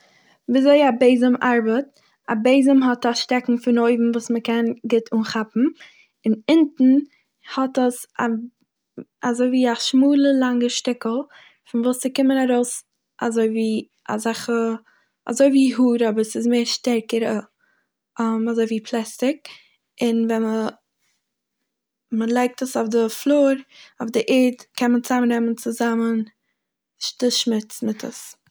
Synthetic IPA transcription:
viːzoɪabeɪzəmʔaɾbət | abeɪzəmɦɔtaʃtɛkŋ̩fɪnoɪbm̩vuːsməkɛnɡɪtʰuːnχapm̩ | ɪnɪntn̩ | hɔtəsa | azoɪviːaʃmuːlˠəlˠaŋəʃtɪkl̩ˠ | fɪnvuːst͡sɪkɪmənaɾoʊs | ʔa̰zoɪviː | a̰zaχə | a̰zoɪviːɦuːɾɔbəɾsɪzmeɪɾʃtɛɾkəɾə | amazoɪviːpʰlˠɛstɪk̚ | ɪnvɛə | məlˠaɪk̚təsofdɪflˠoːɾoʊfdɪʔɛːɾtkʰɛnmənt͡samnɾɛmənt͡sʊzamən | ʃtɪʃmɪt͡smɪtʰə̰s

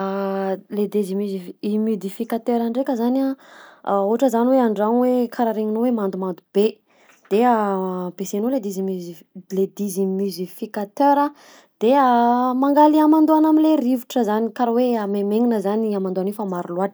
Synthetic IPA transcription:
led̪ezimyziimud̪ifikat̪øɾaɳɖ͡ʐekəzana | uɦaʈ͡ʂəzaniweaɳɖ͡ʐanwekʰaɾaɾeŋinowemand̪umand̪ub̥e | d̪̥eabesenoled̪izim | led̪izimuzifikat̪øɾə | d̪̥eamaŋɡaliamand̪uanaminlerivuʈ͡ʂəzanikaɾaweamemeŋinəzaniamand̪uanefamaɾuluaʈ͡ʂ

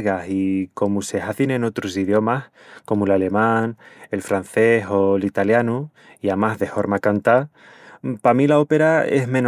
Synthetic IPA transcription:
ɣasiko̞muse̞ɦaθinẽno̞t̪ɾos̬iðjo̞mah | ko̞mulale̞mãŋe̞lfɾan̟θe̞ɦo̞lit̪aljanu | iamaɦðe̞fo̞ɾmakant̪a | pamilao̞pe̞ɾaḛɦmẽ̞n

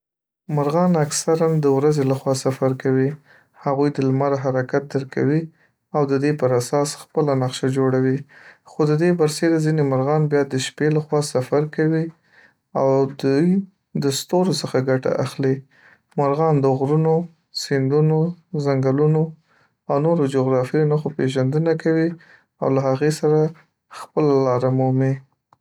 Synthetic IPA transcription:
maɾɣɑnaksaɾand̪əwɾazelaxwɑsafaɾkawi | haɣujd̪əlmaɾaɦaɾakat̪̚d̪əɾka̰wi | awd̪əd̪epəɾasɑsxpəlanaqʃad͡ʒoɽawixod̪əd̪ebaɾsed̪azinemaɾɣɑnbjɑd̪əʃpelaxwɑsafaɾkawi | awd̪ | d̪əst̪oɾosəxaɡaʈa̰ʔa̰xli | maɾɣɑnd̪əɣɾuno | sɪnd̪unozaŋɡaluno | awnoɾod͡ʒoɣɾɑfijonaxopeʒand̪ənakawi | a̰wlaɦaɣesaɾa | xpəlalɑɾamuhmi

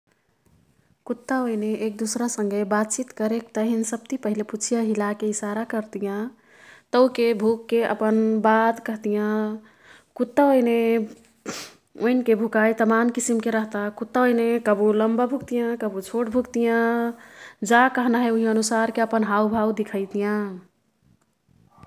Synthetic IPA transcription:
kut̪ːaojneʔːk̚d̪usɾasəŋɡebat̪̚t͡ʃit̪kəɾek̚t̪əɦinsəb̚t̪ipəɦileput͡ʃʰijãɦilakeisaɾakəɾt̪ijã | t̪əʊkebʱukːeʔə̰pənbat̪kəɦt̪ijã | kut̪ːaojne | oinkebʱukajt̪əmamkisimkeɾəɦt̪akut̪ːaojnekəbuləmbabʱukt̪ijãkəbut͡ʃʰoʈ̚bʱukt̪ijã | d͡ʒakəɦnaɦeuɦiənusaɾkeəpənɦawbʱad̪ikʰəjt̪ijã

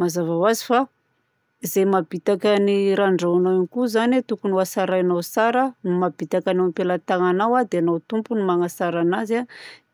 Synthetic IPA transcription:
mazavawazifa | izemabit̪akaniɾaɳɖ͡ʐawanawanikuzanet̪ukunuasaɾanawsaɾənumabit̪akanawpelat̪aŋanawad̪eanawt̪umpunumaŋasaɾanaza

